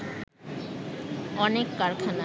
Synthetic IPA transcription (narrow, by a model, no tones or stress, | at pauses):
ɔnekːaɾkʰona